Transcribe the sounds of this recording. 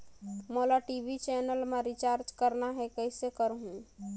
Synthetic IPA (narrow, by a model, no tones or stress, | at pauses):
molaʈibit͡ʃɛnəlmeɾit͡ʃaɾd͡ʒkəɾnaɦɛkəɪsekəɾɦũ